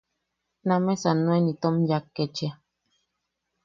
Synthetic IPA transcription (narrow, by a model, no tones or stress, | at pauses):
nãmɛ̃sanwɛnĩt̪ɔmjakːɛt͡ʃia